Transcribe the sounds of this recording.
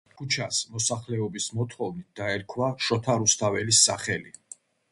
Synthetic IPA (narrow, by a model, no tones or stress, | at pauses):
kʰut͡ʃʰasmɔsaχlɛɔbismɔt̪ʰχɔvnit̪̚ʰd̪̥aɛɾkʰwaʃɔt̪ʰaɾust̪ʰavɛlisːaχɛli